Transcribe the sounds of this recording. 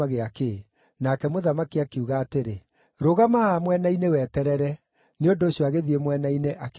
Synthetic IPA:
aɣeake | nakɛmoðamakiakeuɣaːteɾe | ɾoɣamahamwɛnainewɛtɛɾɛɾɛ | neondoːɕjɔaɣeðiemwɛnaineʔak

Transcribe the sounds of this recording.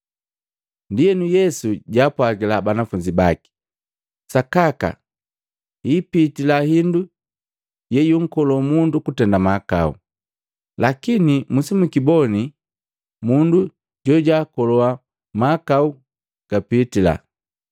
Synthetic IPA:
ndijɛnujɛsuɟaːpwaɡilabanafuɲd͡ʒibaki̥ | sakaka̰ | ipitilahindu | jɛjuŋ̩kɔlɔmundukutɛndamaka̰ṵ | lakinimusimukibɔni | mundu | ɟɔɟaːkɔlɔa | makau | ɡ̥apitila̰

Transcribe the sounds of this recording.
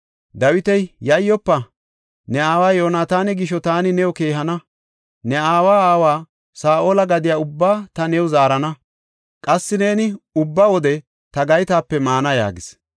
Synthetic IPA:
d̪ɐwɪt̪ɛjjɐjːɔpːɐ | nɛaːwaːjoːnaːt̪aːnɛɡɪʃɔt̪aːnɪnɛɔke̞ːɦɐnɐ | nɛaːwaːaːwaː | saːʔoːlɐɡɐd̪ɪjaːʊbːaːt̪ɐnɛwʊzaːɾɐnɐ | kʼɐsːɪne̞ːnɪʊbːawɔd̪ɛ | t̪ɐɡɐjt̪aːpːɛmaːnɐja̰ːɡɪs

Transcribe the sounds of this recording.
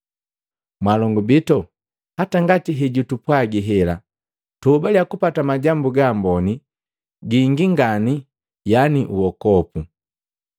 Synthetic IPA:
mwalɔŋɡubitɔ | hataŋɡatiɦɛɟutupwaɡiɦɛla̰ | tubaljakupatamaɟambuɡaːmbɔni | ɡiŋɡiŋɡani | janiʔuwɔkɔpu

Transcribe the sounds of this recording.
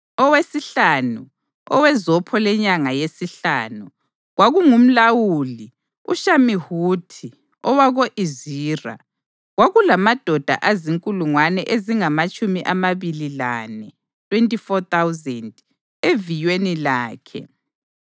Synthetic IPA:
ɔwesiɬanu | ɔ̰wɛzɔpʰɔlɛɲaŋajesiɬaːnu | ɣwaɣuŋum̩lawuli | ṵʃamihutʰi | ɔwaɣoʔiziːra̰ | ɣwaɣulamad̥ʱɔd̥ʱa̰ʔaziŋkʼuluŋwanɛʔeziŋamat͡ʃʼumiʔamaβililanɛ | tʰʼwentʼifɔt̪awzɛnd | evijwenilaːkʰɛ̰

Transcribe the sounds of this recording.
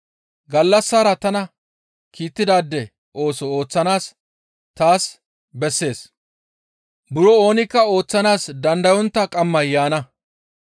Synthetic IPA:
ɡɐlːɐsːaːɾɐt̪ɐnɐ | kʰiːt̪ːɪd̪aːd̪ːɛ | ʔo̞ːsɔoːt͡sːɐnaːs | t̪aːs | bɛsːe̞ːs | bʊɾɔo̞ːnɪkːɐo̞ːt͡sːɐnaːsd̪ɐnd̪ɐjɔnt̪ːɐkʼɐmːɐjːaːnɐ

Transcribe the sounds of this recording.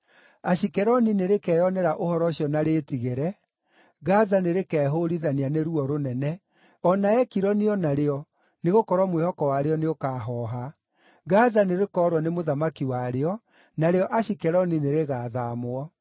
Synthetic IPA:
aɕikɛɾɔnineɾekɛːjɔnɛɾaʔohɔɾɔɕiɔnaɾetiɣeɾɛ | ɣazaneɾekɛːɦoɾiðanianeɾuɔɾonɛnɛ | ɔnaɛkiɾɔniɔnaɾeɔ | neɣokɔɾwɔmwehɔkɔwaɾeɔneokaɦɔːɦa | ɣazaneɾekɔːɾwɔnemoðamakiwaɾeɔ | naɾeɔʔaɕikɛɾɔnineɾeɣaːðamoɔ

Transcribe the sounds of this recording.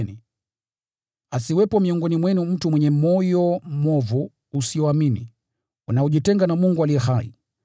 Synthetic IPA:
ni | asiwɛpɔmiɔŋɡɔnimwɛnum̩tumwɛɲɛmɔjɔmɔvuː | siɔaminḭ | unaɔʄitɛŋɡanamuŋɡualiɛhaḭ

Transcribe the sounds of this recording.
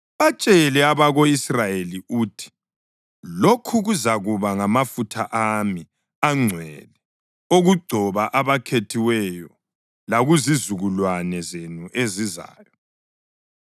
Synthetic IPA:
βat͡ʃʼɛlɛaβaɣoisrajeliuːtʰi̥ | lokʰuɣuzaɣuβaŋamafutʰa̰ʔami | aŋ͡ǀʱwɛ̰lɛ | oɣuɡ͡ǀʱɔβaʔaβakʰetʰiwɛjɔ | laɣuzizuɣulwanɛzenuʔeziza̰ːjɔ

